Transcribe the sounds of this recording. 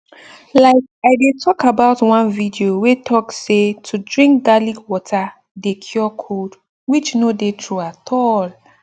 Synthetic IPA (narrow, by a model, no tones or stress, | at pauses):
laɪkaɪdetʰɔkabaʊtwãnvidiowetʰɔksetʰudɹĩŋk̚ɡalikwɔtʰa | dekʰjɔkʰod | wit͡ʃnodetʰɹuatʰɔl